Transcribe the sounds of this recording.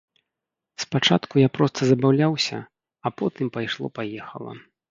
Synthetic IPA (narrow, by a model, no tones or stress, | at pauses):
spat͡ʂat̪kujapɾɔst̪ɐzɐbawlʲawsʲɐ̰ | ɐpɔt̪ɨmpajʂlˠɔ̰pajɛxɐ̰lˠɐ̰